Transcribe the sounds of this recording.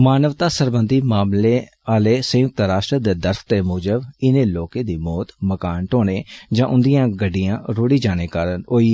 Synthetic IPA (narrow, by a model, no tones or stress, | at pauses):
maːnəʋt̪aːsəɾbənd̪iːmaːmleː | aːleːsə̃jʊk̚t̪ɾaːʃʈɾəd̪eːd̪əɾfʰt̪eːmuːd͡ʒəbɪneːloːkẽːd̪iːmɔːt̪məkaːnʈoːneːd͡ʒãːʔʊnd̪ijãːɡəɖːɪjãːɾoːɽiːd͡ʒaːneːkaːɾənoːiː